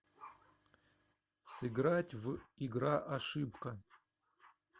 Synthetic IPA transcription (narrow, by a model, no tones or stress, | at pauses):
sɨɡratʲviɡraʔaʂɨpkʰɐ